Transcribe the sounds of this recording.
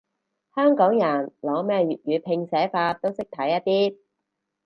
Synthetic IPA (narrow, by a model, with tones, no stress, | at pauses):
hœː˥ŋkɔː˨˥ŋjɐ˨˩nlɔː˨˥mɛː˥jɥyː˨t̚jyː˨˧pʰɪ˧ŋsɛː˨˥faː˧t̪o˥wsɪ˥k̚t̪ʰɐ˨˥jːɐ˥t̪̚iː˥